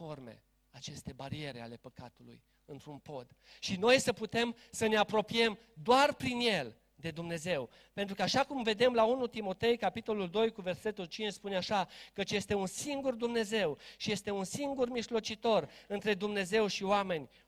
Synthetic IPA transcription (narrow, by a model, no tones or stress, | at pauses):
o̞rme̞̰ | at͡ʃe̞st̪e̞baɾie̞ɾea̰le̞pəka̰t̪ulṵj | ɨnt̪ɾunpo̞d̪ | ʃino̞jsəput̪e̞m | səne̞apɾo̞pije̞m | d̪oarpɾinje̞l | d̪e̞d̪umne̞ze̞w | pent̪ɾukaʃakumve̞d̪e̞mlaunut̪imo̞t̪e̞jkapit̪o̞luld̪o̞jkuve̞rse̞t̪ult͡ʃint͡ʃspuneaʃakət͡ʃje̞st̪e̞unsiŋɡurd̪umne̞ze̞wʃije̞st̪e̞unsiŋɡurmiʒlo̞t͡ʃit̪o̞rɨnt̪ɾe̞d̪umne̞ze̞wʃioame̞nʲ